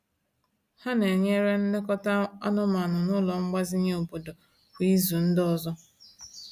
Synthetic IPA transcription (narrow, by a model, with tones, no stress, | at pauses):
ha˦ne˨ɲe˦ɾe˦n̩˦de˦kɔ˦ta˦a̰˦nʊ˦ma˨nʊ˨nʊ˦lɔ˨ŋ͡m̩˦ɡ͡ba˦zi˦ɲe˦o˨bo˨do˨ | kʷi˦zu˨n̩˦dɔ˦zɔ˦